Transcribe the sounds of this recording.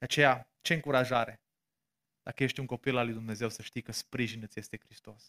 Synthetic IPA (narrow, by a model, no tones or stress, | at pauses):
dd̪̥eat͡ʃe̞ja | t͡ʃe̞ɨŋkuɾaʒaɾe̞ | d̪̥akəjeʃt̪ʲuŋko̞pilalujd̪umne̞ze̞wsəʃt̪ijkəspɾiʒinɨt̪ʲje̞st̪e̞kɾist̪o̞s